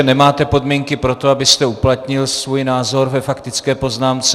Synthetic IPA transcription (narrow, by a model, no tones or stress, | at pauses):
ɛnɛmaːt̪ɛpo̞d̪miŋkɪpɾo̞t̪o̞abɪst̪ɛuplat̪ɲɪlsvuːjnaːzo̞ɾvɛfakt̪ɪt͡skɛːpo̞znaːmt͡sɛ